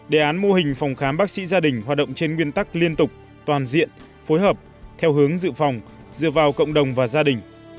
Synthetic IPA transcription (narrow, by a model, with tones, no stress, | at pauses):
ɗe˨˩ʔaː˨˦nmo˧hï˨˩ŋ̟fa˨˩wŋ͡mxaː˨˦mɓaː˦˥k̚sḭ˧˥zaː˧ɗï˨˩ŋ̟ɦwaː˨˩t̚ɗə̰˧˨ŋ͡mt͡ɕe˧nŋwi˧ənt̪a˦˥k̚li˧ənt̪ʊ˨˩k͡p̚ | t̪waː˨˩nzḭ˧˨ən | fo˨˦jɦəː˨˩p̚ | t̪ʰɛ˧wɦɨ˨˦əŋzɨ̰˧˨fa˨˩wŋ͡m | zɨ̰˧˨əvaː˨˩wkə̰˧˨wŋ͡mɗə˨˩wŋ͡mvaː˨˩zaː˧ɗï˨˩ŋ̟